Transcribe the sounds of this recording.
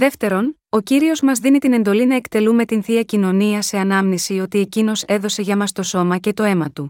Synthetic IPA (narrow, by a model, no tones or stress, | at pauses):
ðe̞ft̪e̞ɾo̞no̞ciɾio̞zmɐzðinit̪ine̞nd̪o̞linɐe̞kt̪e̞lume̞t̪inθiɐcino̞niɐse̞ɐnɐmnisio̞t̪ie̞cino̞se̞ðo̞se̞ʝɐmɐst̪o̞so̞mɐce̞t̪o̞e̞mɐt̪u